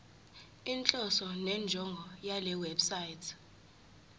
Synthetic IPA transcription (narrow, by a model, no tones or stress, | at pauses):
int͡ɬʼɔsɔnɛnd͡ʒʱɔŋɡʱɔjalɛwɛbsaitʰ